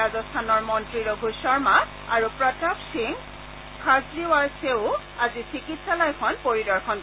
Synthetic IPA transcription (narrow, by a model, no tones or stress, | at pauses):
azɔstʰanɔɹmɔntɹiɹoɡʱusɔɹma | aɹupɹɔtapsiŋ | kʰasɹiwaɹseʊ | azisikitsalajkʰɔnpoɹidɔɹkʰɔn